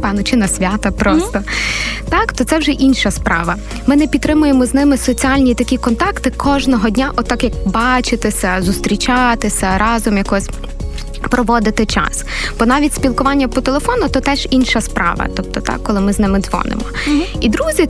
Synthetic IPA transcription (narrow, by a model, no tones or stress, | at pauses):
pɑnɔt͡ʃɪnɐsʲʋʲat̪ɐpɾɔst̪ɔt̪ɑkt̪ɔt̪sɛwʒɛʔinʃɐspɾɑ̰ʋɐ | mɪnɛpʲit̪ːɾɪmʊjemɔznɪmɪsɔt͡sʲialʲnʲit̪ɐkʲikɔnt̪ɑkt̪ɪkʰɔʒnɔɦɔdʲnʲaʔɔt̪ːɑkjɐk̚bɑt͡ʃɪt̪ɪsʲɐzʊst̪ɾʲit͡ʃɑt̪ɪsʲɐɾɑzɔmjɐkɔsʲ | pɾʔɔʋɔd̪ɪt̪ɪt͡ʃɑ̰sb̥ɔnɑʋʲitʲsʲpʲilˠkʊʋɑnʲːɐpɔt̪elˠefɔnʊt̪ɔt̪ɛʒinʃɐspɾɑ̰ʋɐ̰t̪ɔp̚t̪ɔt̪ɑ̰kːɔlˠɪmɪznɪmɪd̪zʋɔ̰nɪ̰mɔid̪ɾuzʲi